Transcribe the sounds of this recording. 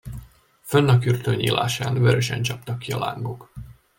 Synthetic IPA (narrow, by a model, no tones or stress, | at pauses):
fønːɒkyrt̪øɲḭːla̰ːʃaːnvøɾøʃɛ̰nt͡ʃɒpt̪ɒkːiɒla̰ːŋɡo̞k